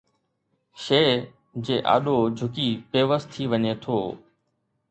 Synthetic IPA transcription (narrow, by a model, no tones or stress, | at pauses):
ʃeː | d͡ʑeːʔa̰ːɗod͡ʑʱʊkiːpeːʋəst̪ʰiːʋəɲeːt̪ʰoː